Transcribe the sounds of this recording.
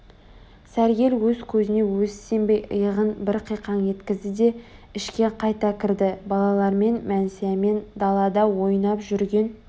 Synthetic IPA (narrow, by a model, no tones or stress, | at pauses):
sæɾɡʲe̞lwɵzkʲʰɵzɪne̞wɵsːe̞mbe̞jə̰jəʁənbɪɾqʰijqʰɑnje̞t̪kʲɪzd̪ɪd̪e̞ɪʃkʲe̞qʰɑjt̪ɑkʲʰɪɾd̪ɪbɑlˠɑlˠɑɾme̞nmænsejeme̞nd̪ɑlˠɑd̪ɑwo̞jənɑpʒʏɾɡʲe̞n